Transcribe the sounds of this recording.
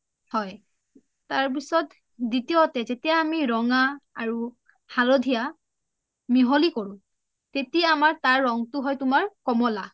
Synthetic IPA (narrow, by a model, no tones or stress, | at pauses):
hɔj | taɹp̬isɔt | ditijoatɛzetijaːmiɹɔŋaaɹu | halɔdʱija | miɦolikoɹʊ̃ | tetijaːmaɹtaɹːɔŋtʊɦɔjtʊmaɹkɔmɔla